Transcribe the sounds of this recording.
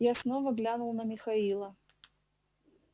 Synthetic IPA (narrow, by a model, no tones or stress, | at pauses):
jasnovəɡlʲanʊlˠnəmʲɪxɐilˠə